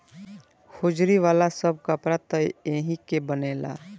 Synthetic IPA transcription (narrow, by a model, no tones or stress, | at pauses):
hʰod͡ʒɾiʋaːlasəb̚kapɾat̪əeːɦikebənela̰